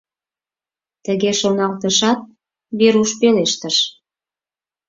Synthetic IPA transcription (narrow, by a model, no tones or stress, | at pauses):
t̪əɣeʃonɑlt̪əʃɑt̪̚ | βeɾuʃpeleʃt̪əʃ